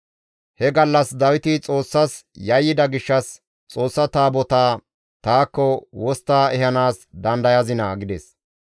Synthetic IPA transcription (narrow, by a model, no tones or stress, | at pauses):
hɛɡɐlːɐsd̪ɐwɪt̪ɪt͡sʼo̞ːsːɐsjɐjːɪd̪ɐɡɪʃːɐs | t͡sʼo̞ːsːɐt̪aːbɔt̪aː | t̪aːkːɔwɔst̪ːaːɛɦɐnaːsd̪ɐnd̪ɐjɐzɪnɐ̰ːɡɪd̪ɛs